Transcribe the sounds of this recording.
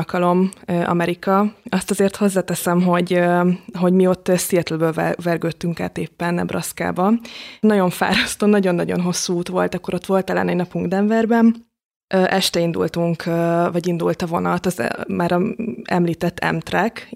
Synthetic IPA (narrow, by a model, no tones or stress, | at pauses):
lkɒlo̞mʔɒ̰mɛɾikɒɒst̪ɒzeːrt̪ho̞zːaːt̪ɛsɛmɦo̞ɟøɦo̞ɟmio̞t̪ːsiɛt̪lɛbøːlɛvɛrɡøt̪ːyŋka̰ːt̪eːpːɛnɛ̰brʔɒ̰ska̰ːbɒnɒɟo̞ɱfa̰ːɾɒst̪oːnɒɟo̞nːɒɟo̞̰nɦo̞sːuːt̪ʋo̞̰lt̪ɒkːo̞ɾo̞t̪ʋo̞lt̪ɛlːɛ̰nɛnɒpuŋɡd̪ɛɱvɛrbɛn | ʔøʔɛʃt̪ɛind̪ṵlt̪uŋkʰːvɒɟind̪ult̪ɒvo̞nɒt̪ɒzmaːɾɒɛ̰mliːt̪ɛt̪ːɛ̰mt̪rɛk